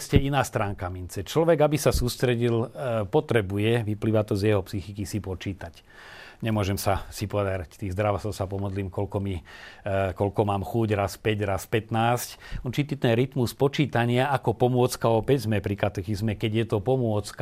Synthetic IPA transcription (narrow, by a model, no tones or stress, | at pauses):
scɛinaːst̪ɾaːŋkamint͡sɛt͡ʃlɔʋɛɡabisasuːst̪ɾɛɟilpɔt̪ɾɛbujɛʋipliːʋat̪ɔzjɛɦɔpsixikisipɔt͡ʃiːt̪ac | ɲɛmʊɔʒɛmsasipɔd̪aɾact̪iːɣzd̪ɾaʋɔsɔsapɔmɔd̪liːmkɔlkɔmi | kɔlkɔmaːmxuːɟɾaspɛɟɾaspɛt̪naːscut͡ʃit̪it̪nɛɾit̪muspɔt͡ʃiːt̪aɲɪaakɔpɔmʊɔt͡skaɔpɛɟzmɛpɾikat̪ɛxizmɛkɛɟjɛt̪ɔpɔmʊɔt͡sk